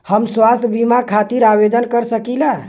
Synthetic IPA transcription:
həmswast̪ʰbimakʰat̪iɾabed̪ənkəɾsəkila

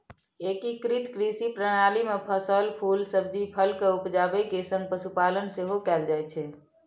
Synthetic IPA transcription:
ekikɾit̪kɾisipɾəɽ̃alimepʰəsəlpʰulsəb̚d̪ʱipʰəlkəupd͡ʒabɛkesə̃ŋɡ̚pəsupalənseɦokɛld͡ʒajt͡ʃʰɛ

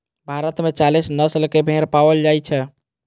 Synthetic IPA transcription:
bʱaɾət̪met͡ʃalisnəslkebʱeɾpaʋəld͡ʒajt͡ʃʰɛ

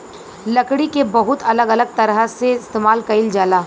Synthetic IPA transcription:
lɐkɽikebɐɦʊt̪ɐləɡɐləɡ̚t̪ɐɾəɦseɪst̪eːmaːlkɐɪld͡ʒaːlaː

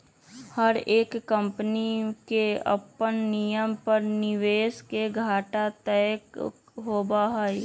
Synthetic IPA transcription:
həɾeːkːə̃mpnikeɐ̰pənnijəmpəɾnɪʋeːskeɡʱaːʈat̪ɛk | ɦoːbaɦaj

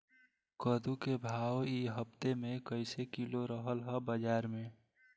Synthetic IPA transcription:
kəd̪ukebʱaːwiɦəp̚t̪emẽkəɪsekiloɾəɦəlɦɛbəd͡ʒaːɾmẽ

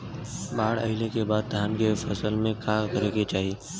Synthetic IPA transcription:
baːɽə̰ɪlekebaːd̪̚d̪ʱaːnkefɐsəlmẽkaːkəɾeɡet͡ʃaːɦieː

